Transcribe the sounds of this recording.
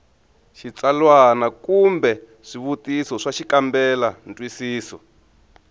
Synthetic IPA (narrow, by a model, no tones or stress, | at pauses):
ʃit͡salwanakumbɛ | ʂiβutisɔʂaʃikambɛlantʼwisiːsɔ